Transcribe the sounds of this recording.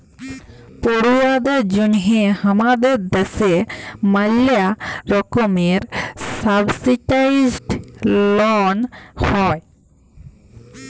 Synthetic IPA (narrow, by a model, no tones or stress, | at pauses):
poɽuwad̪ed͡ʒunɦehamad̪eɾd̪ɛsemalaɾɔkɔmeɾsabsiʈajzɖlɔnhɔj